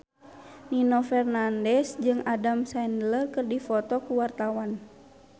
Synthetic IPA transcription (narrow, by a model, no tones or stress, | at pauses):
ninɔfɛrnandɛsd͡ʒɨŋadamsɛndlərkɨrdifɔt̪ɔkuwart̪awan